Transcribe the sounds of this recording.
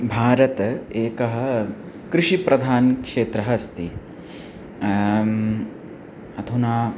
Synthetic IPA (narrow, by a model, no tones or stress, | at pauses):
bʱaːɾɐt̪ɐeːkɐɦɐ̆ | kɾɪʂipɾɐd̪ʱaːnkʂeːt̪ɾɐɦɐst̪i | ɐd̪ʰʱunaː